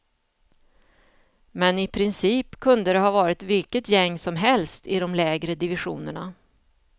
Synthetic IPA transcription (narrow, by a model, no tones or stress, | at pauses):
mɛnɪpʰɾɪnsiːpkʰɵnd̪əd̪ɛɦɑːvɑːɾɪt̪vɪlkət̪jɛŋːsɔmɦɛlst̪ɪd̪ɔmlɛːɡɾəd̪ɪvɪɧṵːnəɳa